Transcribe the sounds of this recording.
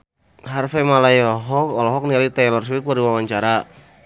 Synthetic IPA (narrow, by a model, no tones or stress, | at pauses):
ɦarfɛmalajɔɦɔkɔlɔɦɔk̚nialit̪ɛlɔrs̬wit̪̚kaɾdiwawaɲt͡ʃaɾa